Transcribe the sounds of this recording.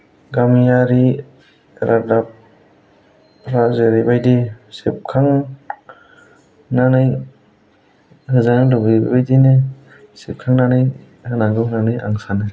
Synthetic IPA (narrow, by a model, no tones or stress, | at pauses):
ɡamijaɾi | ɾʔadap̚ | ɾazeɾibajdisep̚kʰaŋ | nanɯj | hɯzanɯlɔɡib̰bajdinɯ | sip̚kʰaŋnanɯj | hɯnaɡɯnanɯjʔa̰ŋsanɯ